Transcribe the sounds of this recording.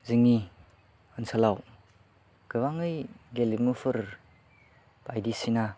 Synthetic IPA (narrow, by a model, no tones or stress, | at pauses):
ziŋi | ənsʰalaw | kɯβaŋɯjɡelimufʰɯɾ | b̥ajdisina